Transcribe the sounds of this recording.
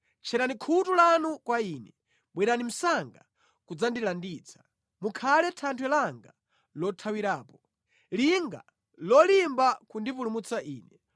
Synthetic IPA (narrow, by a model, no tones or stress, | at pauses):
t͡ʃʰɛɾanikʰutulanukwaiːnɛ | ɓwɛɾanim̩saŋɡa | kud͡zandilandit͡sʰḁ | mukʰalɛtʰantʰwɛlaŋɡa | lɔtʰawiɾaːpɔ | liŋɡa̰ | lɔlimbakundipulumut͡saʔiːnɛ